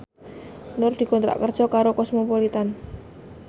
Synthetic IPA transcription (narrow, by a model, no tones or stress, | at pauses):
nʊrd̪̥i̤kɔnt̪ɾa̰ʔkərd̥ʒ̥ɔ̤kaɾokɔsmɔpolit̪an